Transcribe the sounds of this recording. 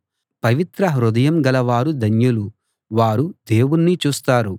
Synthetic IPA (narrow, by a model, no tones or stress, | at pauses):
pɐʋit̪ɾɐɦɾud̪ɐjɐmɡɐlɐʋaːɾud̪ʱɐnjulu | ʋaːɾud̪e̞ːwunːit͡ʃuːst̪aːɾu